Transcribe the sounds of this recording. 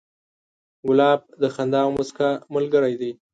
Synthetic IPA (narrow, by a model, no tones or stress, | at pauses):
wʊlɑb̚d̪əxand̪ɑwmʊskamʊlɡəɾajd̪aj